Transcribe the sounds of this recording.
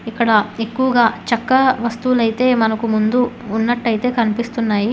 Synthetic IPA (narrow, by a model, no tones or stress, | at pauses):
ikːɐɽɐe̞kːuʋɐɡaːt͡ʃɐkːɐʋɐst̪ulɐjit̪e̞ːmɐnɐkumund̪uːnːɐʈːɐjit̪e̞ːkɐnipist̪unːaːji